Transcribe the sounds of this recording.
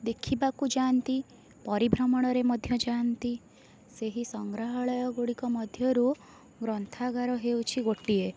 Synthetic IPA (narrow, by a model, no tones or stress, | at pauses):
d̪ekʰibakud͡ʒant̪i | pɔɾibʱɾɔmɔɽ̃ɔɾemɔd̪ʱjɔd͡ʒant̪i | seɦisɔŋɡɾaɦɔɭɔjɔɡoɽikɔmɔd̪ʱjɔɾu | ɡɾɔnt̪ʰaɡaɾɔɦewt͡ʃʰiɡoʈie